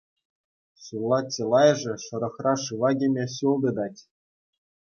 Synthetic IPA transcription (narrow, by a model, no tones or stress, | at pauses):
ɕulˠːɑt͡ɕʲːelˠɑjɤ̆ʐɘ̆ʂɤ̆ɾɤ̆χrɑʂɯʋɑɡʲemʲeɕulˠd̪ɤ̆d̪ɑtʲ